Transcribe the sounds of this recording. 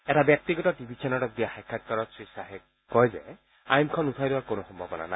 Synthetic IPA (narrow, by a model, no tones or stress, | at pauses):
ɛtabjɛk̚tiɡɔtɔtibʱit͡ʃʰɛnɔtɔk̚diaxajkʰːat̚kaɹɔtsɹisaɦɛ | kɔjzɛ̰ | a̰jmkʰɔnutʰɔjdiwaɹkonoxɔmbʱabɔna̰na